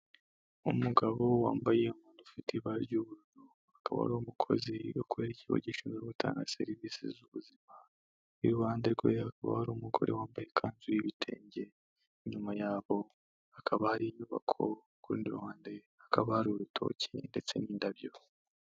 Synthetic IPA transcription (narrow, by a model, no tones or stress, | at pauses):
umuɡaβo̞wa̰ːmbaje̞umuːnufitʰiβaɾɟuːβuɾunu | akaβa̰ha̰ɾoːmukʰo̞̰ziokue̞ːɾeciβo̰ɟiʃunzoβutʰa̰ːŋɡa̰se̞̰ɾiviːsḭzuβuzima | iɾuwaːndeɾɡweakaβa̰haɾoːmuɡo̞̰ɾewaːmbaje̞kʰaːnzuiβitʰe̞̰ːɲɟe̞ | ɲumajaːβo̞ | akʰaβahaɾiɲuβa̰kʰo̞̰ | kuɾṵːndiɾwaːnde̞ | akʰaβahaɾoɾutʰo̞̰ːcʰḛnde̞t͡se̞niːndaβjo̞